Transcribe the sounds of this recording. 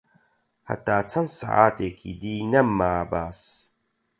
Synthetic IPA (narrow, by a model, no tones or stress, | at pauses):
hɐ̰t̪ːaːt͡sʰɐnsa̰ʕa̰ːt̪ekʰḭd̪iːnɐmːaːbaːs